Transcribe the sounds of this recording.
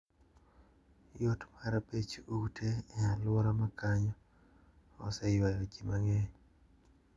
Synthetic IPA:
jotmaɾapet͡ʃutʰeːalwɔɾamakaɲɔ | ɔ̰sɛjwajɔd͡ʒimaŋeɲ

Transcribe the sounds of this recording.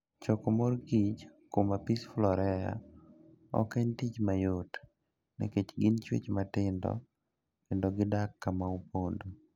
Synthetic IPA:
t͡ʃɔkomorɡit͡ʃkomapisflɔɾɛa̰ | ɔ̰kɛɲtit͡ʃmajot | nɛ̰ket͡ʃɡɪnt͡ʃwḛt͡ʃmatɪndɔ̰ | kɪndɔɡɪdakːamaupondo

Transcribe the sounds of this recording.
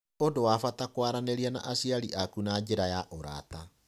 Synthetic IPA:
odowafatakwaɾaneɾiana̰ʔasiaɾiʔakunad͡ʑeɾajaʔoɾa̰ːta

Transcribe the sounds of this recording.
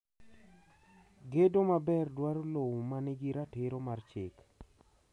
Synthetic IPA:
ɡedomabɛrdwaɾolowmanɪɡɪɾatɪɾomart͡ʃɪk

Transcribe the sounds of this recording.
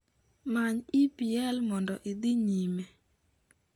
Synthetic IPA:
maɲɪpiɛlmɔndɔʔid̪iɲime

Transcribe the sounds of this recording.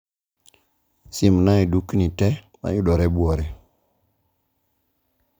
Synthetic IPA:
simnajidukːinitɛ | ma̰juɗɔɾɛbuɔɾe

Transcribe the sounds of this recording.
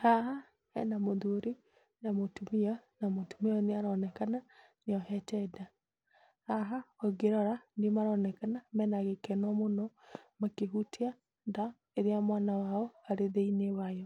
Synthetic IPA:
haɦa | hɛ̰namoðoɾi | namotumeanamotumeɔneaɾɔnɛkana | neɔhɛtɛda | haɦaɔɡeɾɔɾanemaɾɔnɛkanamɛnaɣekɛnɔmonɔmakeɦutea | ða | eɾeamwanawaɔaɾeðeinewajɔ

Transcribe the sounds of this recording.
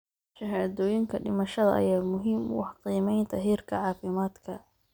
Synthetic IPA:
ʃɐɦaːðɔːjɪŋkʰɐɖɪmɐʃɐðɐ̰ʔɐ̰jaːmʊɦɪmwɑħqiːmɛjnt̪ʰɑɦiːrkʰɐʕɑːfɪmaːd̪kʰɐ

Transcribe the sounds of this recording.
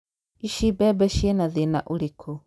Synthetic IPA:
iʃibɛːbɛʃiɛnaðenaʔoɾekʰo

